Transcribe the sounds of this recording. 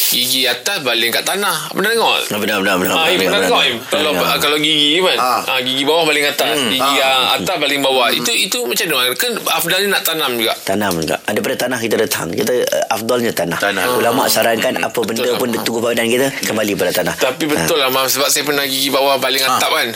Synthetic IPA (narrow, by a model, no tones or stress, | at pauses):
ɡiɡiat̪asbalɪŋkaʔt̪anahbəndaəŋɔabənabənabənaiəŋɔmkalakalawɡiɡimanaɡiɡibawahbalɪŋat̪aɡiɡiaa̰asbalɪŋbawahḭt̪uit̪umat͡ʃanoankənafdalɲanaʔt̪anamd͡ʒuɡaʔt̪anamd͡ʒuɡa̰ʔadapadat̪anahkit̪adat̪ʰa̰ŋkit̪ə̰ʔafd̪alɲat̪anahulama̰ʔsaɾaŋkana̰pəbəndəpʊndt̪uɡubabadankit̪əkəmbalipadat̪anaht̪apibəʊlamasəbap̚sajapərnahɡiɡibawahbalɪŋaap̚kan